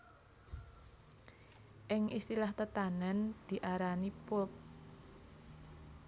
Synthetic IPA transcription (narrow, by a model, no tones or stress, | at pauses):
ʔɪŋist̪ilaht̪ət̪anənd̪̥i̤ʔaɾanipʊp̚